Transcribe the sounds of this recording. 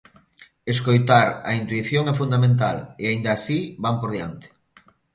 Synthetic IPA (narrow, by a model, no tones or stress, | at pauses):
eskojt̪aɾɐ̰int̪wiθjoŋɛfund̪amẽnt̪a̰leaind̪aːsibampoɾðjant̪e̥